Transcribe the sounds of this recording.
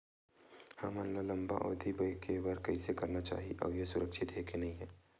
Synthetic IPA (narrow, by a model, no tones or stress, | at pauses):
hɐmanlalɐ̃mba̰ʔɔ̰ːd̪ʱibəjkʰebɐɾkɐisekɐɾnat͡ʃa̰ːɦiʔɔ̰ːʋjesʊɾəkʃɪt̪ɦekenɐɦĩɦɛː